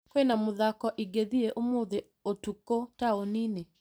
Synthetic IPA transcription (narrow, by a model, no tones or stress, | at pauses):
kwɛnamoðakɔʔiɡeðieʔomoðe | otukotaonine